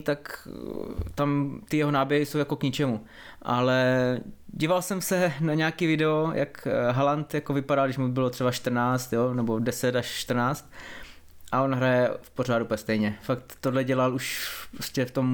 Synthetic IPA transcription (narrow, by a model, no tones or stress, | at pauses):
t̪ak | t̪amt̪ɪjɛɦonaːbjɛɦɪso̞wjako̞kɲɪt͡ʃɛmu | ʔalɛ | ɟiːvalsɛmsɛnaɲɛakivɪdɛojʔa̰kɦalant̪jakovɪpadalɡdɪʃmubɪlor̥ɛbaʃt̪r̩naːt͡st̪jonɛbodɛsɛt̪aʃːt̪r̩naːt͡st̪̚ | ʔao̞nɦɾajɛfpo̞r̝aːdupɛst̪ɛjɲɛfakt̪ːodlɛɟɛlaluʃpɾoscɛft̪om